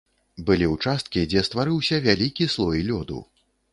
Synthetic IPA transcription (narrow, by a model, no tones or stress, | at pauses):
bɨlʲiwt͡ʂast̪̚kʲid͡zʲɛst̪vaɾɨwsʲɐvʲalʲikʲislˠɔjlʲɔd̪ṵ